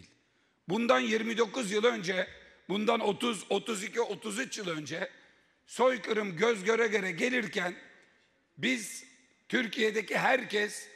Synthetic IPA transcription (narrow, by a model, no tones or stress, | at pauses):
lʲ | bund̪anjiɾmid̪o̞kuzjɯlˠø̞nd͡ʒɛ | bund̪ano̞t̪uzo̞t̪uzicʰiot̪ʰuzyt͡ʃjɯlˠø̞nd͡ʒɛ | so̞jkʰɯɾɯmɟøzɟø̞ɾɛɡøɾɛɟe̞lʲiɾcʰæn | biz̥ | t̪ʰyɾcʰijed̪eciɦæɾcʰɛs